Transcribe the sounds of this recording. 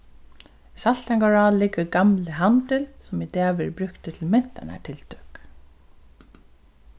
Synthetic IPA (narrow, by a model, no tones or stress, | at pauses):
sal̥t̪aŋkaɹɑːlɪɡəɾɡamləɦant̪ɪlsɔmid̪ɛːʋɪɾbɾʏkt̪ət̪ʰɪlmɛn̥t̪a̰na̰ʈʰɪlt̪ʰʏk